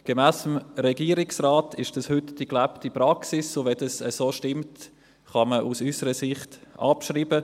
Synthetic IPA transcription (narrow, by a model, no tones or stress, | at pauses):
ɡ̥emæːsəmɾɛɡiːəɾɪksraːtʰɪʃd̥ɑshʏtd̥iklæptipɾɑksisːovɛdɑsəsoːʃtɪmt | χɑməʔusysəɾəsɪχtʔɑ̰pʃriːbə